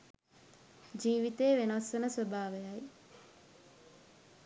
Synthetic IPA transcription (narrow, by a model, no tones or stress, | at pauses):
d͡ʒiːʋit̪eːʋenasʋənəsʋəbʱaːʋejaj